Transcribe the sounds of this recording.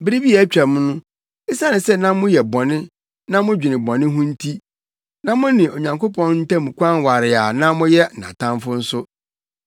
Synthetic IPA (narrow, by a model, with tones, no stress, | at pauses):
bɪ˦ɾi˦bi˦a˨˦t͡ɕᶣa˨mʊ̃˦nʊ̃˦ | ɪ˦sa˦nɪ̃˨sɛ˦nã˦mʊ̃˦jɛ˨bɔ˨nɪ̃˦ | nã˦mʊ̃˦d͡ʑᶣi˨nɪ̃˨bɔ̃˨nɪ̃˦ɦũ˦n̩˦tʰi˦ | nã˦mʊ̃˦nɪ̃˨o˨ɲã˨ŋko˦pʰɔ̃˦n˦n̩˦tã˦mũ˨kʷã˦nwa˨ɾɪ˨a˨nã˦mʊ̃˦jɛ˦˨ã̰˨tʰã˦mfʊ˦n̩˦sʊ˦